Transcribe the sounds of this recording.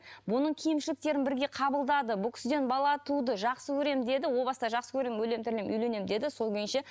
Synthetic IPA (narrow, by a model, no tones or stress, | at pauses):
bʊnəɴkʲʰijɪmʃɪlɪk̚t̪e̞ɾɪnbɪɾɡʲe̞qʰɑbəlˠd̪ɑd̪əbʊlˠkʲɪ̥sɪd̪e̞nbɑlˠɑt̪ud̪əʒɑqsəkʲʰɵɾe̞md̪e̞d̪ɪwo̞lˠbɑsəd̪ɑʒɑqsəkʲʰɵɾe̞mwɵle̞mt̪ʰɪɾlemʔʏ̰jle̞ne̞md̪e̞d̪ɪso̞lˠkʲejɪnʃe